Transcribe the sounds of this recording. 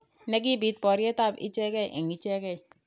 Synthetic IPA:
ne˦k̬i˦bi˦t̚pɔ˨ɾi˦e˦ta˦˨pḭ˦t͡ʃe˦ke˦˨ʔe˨ŋi˦t͡ʃe˦ke˦˨

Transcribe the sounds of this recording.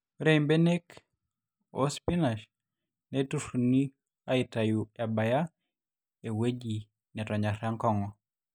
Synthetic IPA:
ɾe˦imbe˦ne˦k | o̰˦spina˨ʃ | nɛtufu˨ni˦ | a˦ɪ˨taju˨a˨ba˨ja˦ | e˨we˦d͡ʒi˨ | nɛ˨tɔ˨ɲa˨ɾa˦ŋkɔ˦ŋɔ˨

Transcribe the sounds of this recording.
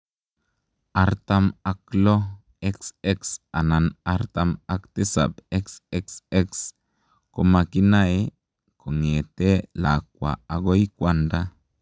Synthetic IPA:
aɾt̪a˦ma˨klo˦ | e˦kse˦ksa˨na˨naɾt̪amakt̪e˦sa̰˨be˦kse˦kse˦ks | ko˨maki˦nae | ko˨ŋe˨t̪e˦lak̚wʷa̰˨a˨ɡo˦jkʷanda˦

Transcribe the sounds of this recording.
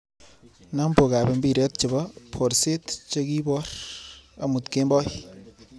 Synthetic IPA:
na˦mbo˨ka˨be˨mbi˦˨ɾe˦t̪̚t͡ʃɪ˨bɔ˦pʰo˨ɾse˦tt͡ʃe˦ki˦bɔ˦ɾɐ˨mu˨t̪ke˦mbɔ˦j

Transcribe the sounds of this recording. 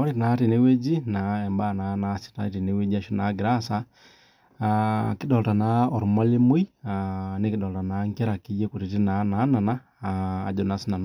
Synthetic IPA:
mɔ˦ɾi˦tna˨˦ti˨ne˦we˦d͡ʒi˦na˨ɛ˨mba˦˨na˨˦na˦si̥˦ta˨˦ti˨ne˨˦we˦d͡ʒi˦a˨ʃu˦na˨˦ɡi˨ɾa˦sa˨ | ki˦dɔ˨ta˨na˨˦ɔ˨ɾma˦li˦mo˦i˦ane˦ki˦dɔ˨ta˨na˨ŋkɛ˦ɾa˨ki˦jɛ˦ku˨ɾi˨ti˦na˨˦na˨˦na˨na̰ː˦˨ | d͡ʒɔ˨na˨si˦na˨n

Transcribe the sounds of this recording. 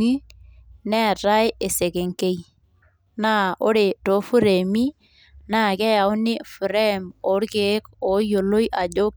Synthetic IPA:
i˦nɛ˦˨ta˦je˨se˨ke˨ŋke˦j | na˦o˦ɾe˨to˨˦fu˦ɾe˨mi˦ | na˦˨kɛ˦ja˨ʊ˦nɪ˦fu˨ɾe˦˨mo˨˦ɾke˨˦ko˨˦jo˨lo˦jʔa˨d͡ʒo˦k

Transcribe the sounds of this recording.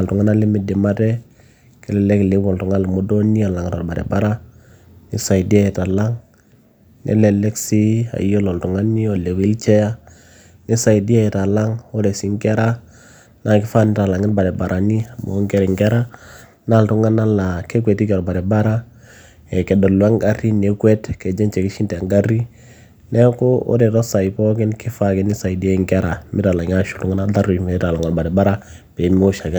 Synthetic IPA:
a˨ltu˨ŋa˦na˦li˦mi˨di˨ma˦tɛ˦ | ki˦lɛ˨lɛ˦kle˦wo˨ltu˨ŋa˦lmu˨˦do˦ni˦a˨la˨ŋ˨ta˨ba˨ɾɛ̰˨ba˦ɾa˦ | ni˦sa˨i˨di˦a˦˨ta˨la˦ŋ | nʔḛ˦le˨lɛ˦ksi˦a̰˨jo˦lo˨ltu˨ŋa˦ni˦o˨le˨wi˦lt͡ʃe˦ja˦ | ni˦sa˨i˨di˦a˦i˨ta˨la˦ŋo˦ɾe˨si˦ŋke˦ɾa˦ | na˨ki˦fa˦ni˦ta˨la˨ŋi˦ɾba˨ɾɛ˨ba˨ɾʔa˨ni˦a˨mo̰˨˦ŋke˦ɾɛ˨ŋke˦ɾa˦ | na˦˨ltu˦ŋa˦na˦la˨ke˦kwe˨ti˦kɛ˨ɾba˨ɾɛ˨ba˦ɾa˦ | ɛ˨kɛ˨dɔ˨lwa˦ŋɡa˦ri˦ne˨kwɛ˦tkɛ˨d͡ʒɛ˦nt͡ʃɛ˨kɪ˦ʃi˦ntŋɡa˦ri˦ | nɛ˦ko˦o̰˦dɛ˨tɔ˦sa˨i˨pɔ˦kɪ˦nkɪ˦fa˦˨kɪ˦ni˦sa˨i˨di˦a˦i˨ŋkɛ˦ɾa˨mɪ˦ta˨la˨ŋ˦a˦ʃu˨tu˦ŋa˦na˦da˦ɾi˨me˨˦ta˨la˨ŋɔ˨lba˨dɛ˨ba˦ɾa˦ | pe˨˦m˦o˦ʃa˨kɛ˦

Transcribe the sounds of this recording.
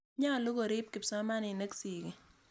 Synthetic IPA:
ɲa˦˨lo˦ɡo˨ɾɪ˦p̚kɪ˨psa˦ma˦nɪ˨ne˦ksi˨ki˨

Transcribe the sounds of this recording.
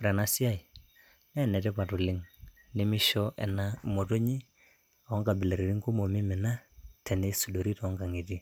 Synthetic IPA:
ɾɛ˨na˦si˦a˦i˨ | nɛ˦˨nɛ˨tɛ˦pa˨tu˨lɪ˦ŋ | nɪ˦mɪ˦ʃɔ˦ʔɛ̰˨na˦mo˨to˦ɲi˦ | a˨ɔ˦ŋka˨bɪ˨le˨ɾe˨ɾi˦ŋku˦mo˨mɪ˦mɪ˨na˦tʰɛ˨ne˦su˨do˨ɾi˦tɔ˨˦ŋka˨ŋi˨ti˦

